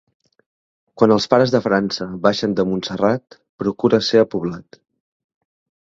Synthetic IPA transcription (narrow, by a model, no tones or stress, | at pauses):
kwanəlˠspaɾəzðəfɾansəβaʃənd̪əmunsərat̪̚ | pɾukuɾəseəpuβlat̪